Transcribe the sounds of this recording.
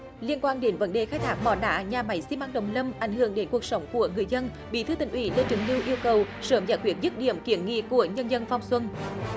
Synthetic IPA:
li˧ənkwaː˧nɗe˨˦nvə˧˦nɗe˨˩xaː˧˥jt̪ʰaː˦˥k̚mɔ̰˧˩nɗa̰ː˧˩˥ɲaː˨˩ma˨˩˦jsi˧mʔaː˧nɗə̰˧˨wŋ͡mlə˧mʔa˧˩jŋ̟ɦɨ˧˩əŋɗe˨˦nku˨˩ək̚sə˨˦wŋ͡mku˧˩əŋɨ˨˩əjzə˧n | ɓḭ˧˥t̪ʰɨ˧t̪ï˨˩ŋ̟ʔwḭ˧˩lə˧t͡ɕɨ˨˧˩ŋli˧wʔi˧əwkə˨˩w | səː˨˦mza̰ː˧˦jkwi˦˥ət̚zɨ˦˥t̚ɗḭ˧˩əmki˧˩˦ənŋḭ˧˨ku˧˩əɲə˧nzə˧nfa˧wŋ͡mswə˧n

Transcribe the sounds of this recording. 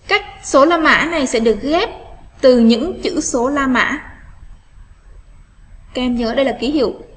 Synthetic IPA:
kaː˦˥k̚so˨˦laː˧ma̰ː˧˥na˨˩jsɛ̰˧˥ɗɨ˨˩ək̚ɣɛ˦˥p̚t̪ɨ˨˩ɲɨ̰˧˥ŋt͡ɕɨ̰˧˥so˨˦laː˧ma̰ː˧˥ | kɛ˧mɲəː˨˦˨ɗə˧jlaː˨˩ki˨˦hḭ˧˨əw

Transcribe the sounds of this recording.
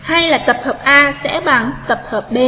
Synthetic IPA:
ha˧jlaː˨˩t̪ə˨˩p̚həː˨˩p̚ʔaː˧sɛ̰˧˥ɓa˧˩nt̪ə˨˩p̚həː˨˩p̚ɓe˧

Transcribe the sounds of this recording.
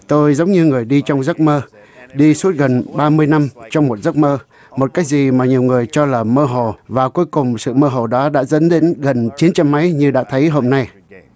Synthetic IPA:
t̪o˧jzə˨˦wŋ͡mɲɨ˧ŋɨ˨˩əjɗi˧t͡ɕɔ˧wŋ͡mzə˦˥k̚məː˧ | ɗi˧su˦˥ət̚ɣə˨˩nɓaː˧mɨ˧əjna˧mt͡ɕɔ˧wŋ͡mmo˨˩t̚zə˦˥k̚məː˧ | mo˨˩t̚kaː˨˦jk̚zi˨˩maː˨˩ɲi˨˩əwŋɨ˨˩əjt͡ɕɔ˧laː˨˩məː˧ɦo˨˩vaː˨˩ku˨˦əjkʊ˨˩ŋ͡msɨ̰˧˨məː˧ɦo˨˩ɗɔ˨˦ɗa̰ː˧˥zə̰˧˦˥nɗḭ˧˥ŋɣə˨˩nt͡ɕi˨˦nt͡ɕa˧mːa˨˦jɲɨ˧ɗa̰ː˧˥t̪ʰə˨˦jɦo˧mna˧j

